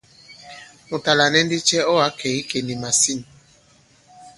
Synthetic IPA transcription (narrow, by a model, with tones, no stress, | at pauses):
u˨ta˨la˨nɛ˦n˦di˦t͡ʃɛ˦ɔ˦a˨˦kʰɛ˨i˦ke˨ni˨ma˨si˦n˨